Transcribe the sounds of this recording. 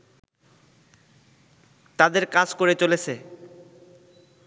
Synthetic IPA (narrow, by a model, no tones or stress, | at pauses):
t̪ad̪eɾkad͡ʑkoɾet͡ɕolet͡ɕʰe